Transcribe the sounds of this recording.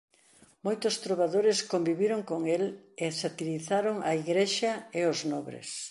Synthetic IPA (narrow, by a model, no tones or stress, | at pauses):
mojt̪ʊst̪ɾoβaðoɾɪskombiβiɾoŋkoŋelesat̪iliθaɾoŋɐiɣɾeʃɐeoznɔβɾḛs